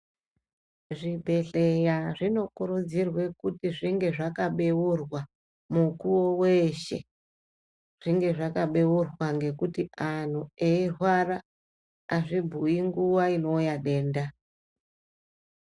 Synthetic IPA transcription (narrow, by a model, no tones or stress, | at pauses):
ʐibʱe̞ɬejaʐino̞kuɾud͡zirwe̞kutiʐiŋɡe̞ʐakaɓe̞wurwa | mukuwo̞we̞ʃe̞̰ | ʐ̥iŋɡe̞ʐakaɓe̞wurwaŋɡe̞kutian̤ueirwara | aʐibʱuiŋɡuwaino̞ujaɗe̞ːnda